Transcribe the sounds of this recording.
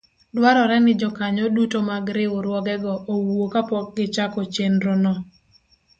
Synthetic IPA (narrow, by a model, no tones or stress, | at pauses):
dwaɾɔɾɛnɪd͡ʒɔkaɲɔdutomaɡɾɪoɾwɔɡɛɡɔʔowokapɔk̚ɡɪt͡ʃakɔt͡ʃendɾonɔ